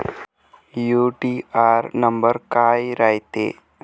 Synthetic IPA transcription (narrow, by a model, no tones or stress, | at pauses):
juʈiaɾnəmbəɾkaːjɾajt̪ḛ